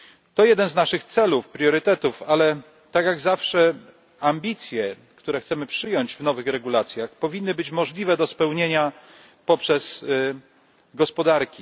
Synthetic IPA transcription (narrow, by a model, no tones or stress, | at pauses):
t̪ɔjɛd̪ɛnznaʂɘxt̪sɛlufpɾʲjɔɾɘt̪ɛt̪ufalɛ | t̪akjaɡzafʂɛ | amʲbʲit̪sʲjɛ | kt̪uɾɛxt̪sɛmɘpʂɘjɔɲd͡ʑvnɔvɘxɾɛɡulat̪sʲjaxpɔvʲinːɘbɘt͡ɕmɔʐlʲivɛd̪ɔspɛwɲeɲa | pɔpʂɛs | ɡɔspɔd̪aɾkʲi